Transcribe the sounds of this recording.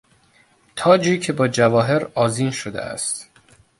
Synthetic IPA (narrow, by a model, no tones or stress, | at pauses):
t̪ʰɒːd͡ʒiːcʰebɒːd͡ʒævɒːɦe̞ɾɒːziːnʃod̪ḛʔæ̰st̪